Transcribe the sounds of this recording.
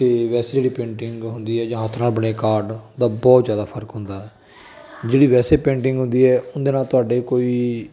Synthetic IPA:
t̪eːʋɛːseːd͡ʒeːɽiːpẽːɳʈɪŋɡɦʊnd̪iːɛːd͡ʒãːət̪ʰnaːlbəɽeːkaːɾɖd̪aːbɔːt̪zjaːd̪aːpʰəɾkɦʊ̃nd̪aːɦɛː | d͡ʒeːɽiːʋɛːseːpẽːɳʈɪ̃ŋɡɦʊ̃nd̪iːɦɛːʔʊnd̪eːnaːlt̪ʊaːɖeːkoːiː

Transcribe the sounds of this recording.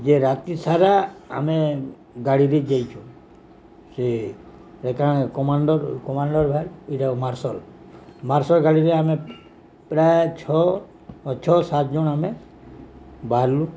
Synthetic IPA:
d͡ʒeɾat̪isaɾaa̰me | ɡaɽiɾid͡ʒajt͡ʃʰũ | se | ɾekakɔmaɳɖɔɾkɔmaɳɖɔɾbʱaɾiʈamaɾsɔl | maɾsɔlɡaɽiɾeame | pɾajt͡ʃʰɔ | t͡ʃʰɔsat̪̚d͡ʒuname | baɾlu

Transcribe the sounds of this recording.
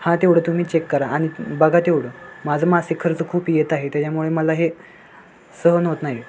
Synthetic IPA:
hãt̪eʋɽ̤ət̪um̤iːt͡ɕekːəɾaaɽ̃ibəɡʱat̪ewɽ̤əmad͡zʱəmasikʰːəɾt͡səkʰuːpjet̪aɦet̪jat͡ɕamuɭeməlaɦe | səɦənɦot̪naɦi

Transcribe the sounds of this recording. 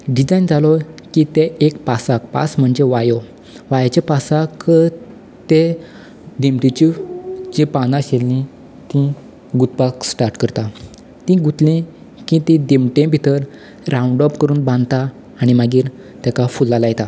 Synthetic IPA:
ɖid͡zajnd͡zalɔkit̪eekpasakpa̰sm̤əɳd͡ʑeʋajo | ʋajat͡ɕepasak | t̪e | d̪emʈit͡ɕid͡ʑĩpanaɕelːĩ | t̪ĩ | ɡut̪̚paksʈaɾʈkəɾt̪a | t̪ĩɡut̪lĩ | kĩt̪ĩd̪emʈẽbʱit̪əɾ | ɾãuɳɖɔpkəɾuːnbãnd̪t̪a | aɽ̃imaɡiːɾ | t̪akafulːalajt̪a

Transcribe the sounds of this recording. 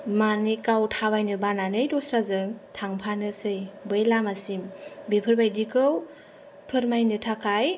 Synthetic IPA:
manikawtʰaβajnɯbananɯjdɔsɾazɯŋtʰaŋpʰanɯsɯjbɯjlamasimbipʰɯɾbajdikɯw | pʰɯɾmajnɯtʰakʰaj

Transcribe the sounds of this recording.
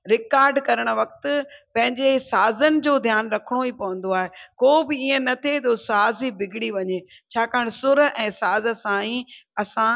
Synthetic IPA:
ɾɪkaːɾɖkɐɾəɽ̃̆ʋɐk̚t̪̆pɐ̃ɦɪ̃ɲd͡ʑesaːzənɪ̆d͡ʑoːd̪ʱjaːnɾɐkʰəɽ̃oipɐʋə̃n̆d̪oaːɦekoːbɪiːə̃nɐt̪ʰet̪osaːzibɪɡɪɽiʋɐɲe | t͡ɕʰaːkaːɽ̃ɪsʊɾʔɛ̃ːsaːzə̆sãːĩːɐsã

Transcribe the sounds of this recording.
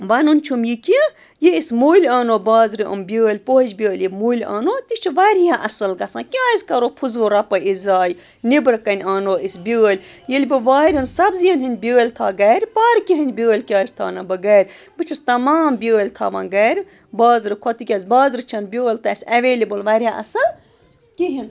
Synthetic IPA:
ʋɐnunʲt͡ʃʰumjikʲi | jeismuːlʲaːnoːbaːzɾiʔɐ̰mbʲəːlʲpoːɦid͡ʒbʲəːlʲjimuːlʲa̰ːnoːt̪it͡ʃʰiʋɐɾijãʔɐsɨlɡɐsãːkʲaːizʲkɐɾoːpʰuzoːɾɐpɐʔizaːj | nibɾɨkɐnʲaːnoːisbʲəːlʲ | jilʲbɨʋaːɾʲɐnsɐbzijɐnʲɦinʲbʲəːlʲt̪ʰaːɡɐːɾʲpɐɾkʲiɦinʲbʲəːlʲkʲaːz̥ʲt̪ʰa̰ːnɐbɐɡɐːɾʲ | bɨt͡ʃʰist̪ɐmaːmbʲəːlʲt̪ʰa̰ːʋã̰ːnɡɐːɾʲ | baːzɾɨkʰot̪ikʲɐːzʲbaːzɾɨt͡ʃʰɐnbʲəːlʲt̪ʰɐisʲɐʋeːlibɨlʋɐːɾʲjaʔɐsɐl | kiɦin

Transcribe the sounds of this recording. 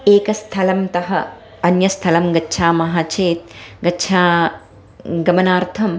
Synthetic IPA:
eːkɐst̪ʰɐlɐmt̪ɐɦɐ | ɐnjɐst̪ʰɐlɐmɡɐtːʃʰaːmɐɦaːt͡ʃeːt̪̚ɡɐtːʃʰaː | ɡɐmɐnaːɾt̪ʰɐm

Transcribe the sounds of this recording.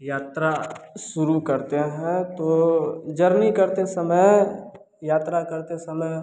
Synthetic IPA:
jaːt̪ɾaʃʊɾukɐɾt̪eɦɛ̃t̪od͡ʒɐɾnikɐɾt̪esɐməj | jaːt̪ɾakɐɾt̪esɐməj

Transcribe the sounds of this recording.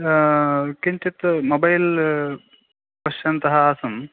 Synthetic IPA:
kiɲʲt͡ʃit̪mobɐjl | pɐʃjɐnt̪ɐɦɐaːsɐm

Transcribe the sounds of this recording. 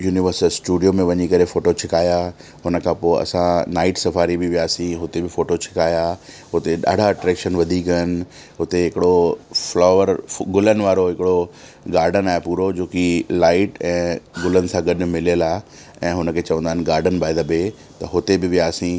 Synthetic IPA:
juːnɪʋəɾsəlsʈuːɖijomẽʋɐɲikɐɾefoːʈot͡ɕʰɪkaːja | ɦʊnəkʰãpoːɪʔɐ̰sãnaːɪʈsɐfaːɾibɪʋijaːsĩɦʊt̪ebɪfoːʈot͡ɕʰɪ̥kaːja | ɦʊt̪eɗa̰ːɖ̤ʱaʈɾɛːkʃənʋɐd̪ʱikɐnɪ̆ | ɦʊt̪eɦɪkɪɽoflaːʋəɾɡʊlənɪ̆ʋaːɾoɦɪkɪɽo | ɡaːɾɖənaːɦepuːɾod͡ʑoːkilaːɪʈɛ̃ːɡʊlənɪ̆sãɡɐɗʊmɪlijəlaː | ɛ̃ːɦʊnəkʰeːt͡ɕɐʋə̃nd̪aɦɪnɡaːɾɖənbaːɪd̪əbe | t̪ɐɦʊt̪ebɪʋɪjaːsĩ

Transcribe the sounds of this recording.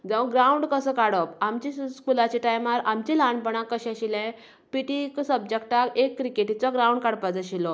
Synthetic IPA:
d͡zə̃ʋ̃ɡɾauɳɖkəsəkaɽəpamt͡ɕiskulat͡ɕiʈajmaɾamt͡ɕilaɳpəɳakːəɕɛ̃ɕilɛ̃ | piʈiksəb̚d͡ʑek̚ʈakekːɾikeʈit͡sɔɡɾawuɳɖkaɽpad͡zaɕilɔ

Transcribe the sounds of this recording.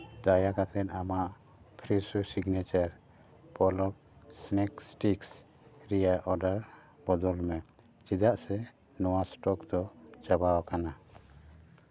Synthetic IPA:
d̪ajakat̪ʰɛt̪amaʔ | pʰɾisusiɡnɛt͡ʃaɾ | pɔlɔk̚ | snɛksʈiks | ɾɛjaʔɔɖaɾ | bɔd̪ɔlmɛ | t͡ʃid̪aʔsɛ | nɔwasʈɔkd̪ɔt͡ʃabawkana

